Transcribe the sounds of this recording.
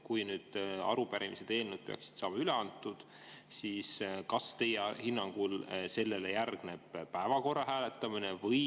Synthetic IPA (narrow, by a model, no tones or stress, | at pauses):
kujnyːd̪̥ɑ̰ɾupæɾimised̪e̞ːlnud̪̚pe̞ɑ̰ksi̥d̪̥sɑːmɑyle̞ɑnt̪ːˑud̪̥ | siːskɑst̪e̞jehinːɑŋɡ̥ulse̞lːe̞lejærɡ̥ne̞b̥pæevɑko̞rːɑɦæːle̞t̪ːˑɑminevɤj